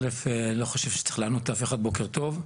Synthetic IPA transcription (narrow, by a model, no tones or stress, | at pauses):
lefelo̞χaʃevʃe̥t͡se̥χleanot̪afeχad̪̚bo̞keʁt̪o̞v